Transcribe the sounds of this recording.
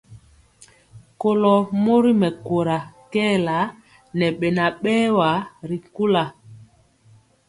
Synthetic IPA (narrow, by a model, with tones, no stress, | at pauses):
ko˨lɔ˨mo˦ɾi˦mɛ˨ko˨ɾa˨kɛː˦˨la˨˦ | nɛ˨ɓɛ˨na˨ɓɛː˦wa˨˦ɾi˨ku˦la˨